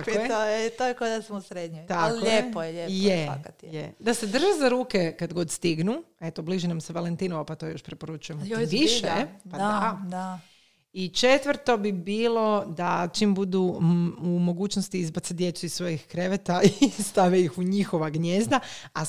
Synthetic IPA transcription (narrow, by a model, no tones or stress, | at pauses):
koojɛt̪ojekod̪asmusɾed̪ɲojt̪akʎojepojeʎejea̰kat̪jed̪ased̪r̩ʒezaɾuːkekad̪ɡo̞d̪st̪iɡnue̞t̪obliʒinamseʋalent̪iːnoʋapat̪o̞jo̞ʃpɾepoɾut͡ʃujemoʋiʃepadad̪a | it͡ʃet̪ʋr̩t̪o̞bibiːlˠo̞d̪at͡ʃimbud̪uumo̞ɡuːt͡ʃnost̪iizbat̪sad̪je̞t̪suisʋo̞jixkɾeʋet̪aist̪aʋeixuɲixo̞ʋaɡɲeːzd̪aa